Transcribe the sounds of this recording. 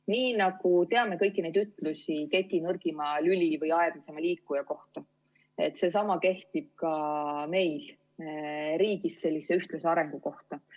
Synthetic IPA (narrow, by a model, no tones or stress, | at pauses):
niːnɑɡ̥ut̪e̞ɑme̞kɤ̞jkˑːine̞jd̪yt̪ːˑlusʲik̪et̪ʲːinɤrɡ̥imɑlylivɤjɑed̥̪lise̞mɑliːkːˑujɑko̞ht̪ɑ | e̞̰t̪ːˑse̞sɑmɑke̞ht̪ib̥̚kɑme̞jl | ɾiːɡ̥isse̞lʲːisːe̞yht̪leseɑɾe̞ŋɡ̥uko̞ht̪ɑ